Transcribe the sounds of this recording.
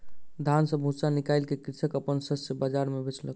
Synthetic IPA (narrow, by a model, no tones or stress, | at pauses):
d̪ʱansəbʱũsanikajlkekit͡ʃʰəkəpənsəsəbəd͡ʒaɾmebet͡ʃʰlə̰k